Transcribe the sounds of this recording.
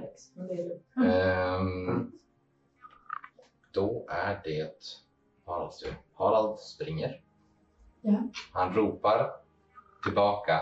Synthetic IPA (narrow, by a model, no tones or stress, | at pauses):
ɔk̚d̪ɔʔæɖɛt̪ | hɑːɾad̪ɵ̰hɑːɾalt̪spɾɪŋːəɾ | hanɾuːpaɾ | t̪ʰɪlbɑːka